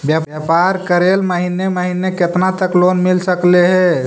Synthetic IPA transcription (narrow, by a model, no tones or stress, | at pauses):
bjajapaɾkəɾeːlməɦineməɦineket̪nat̪əkloːnmɪlsəkleɦɛ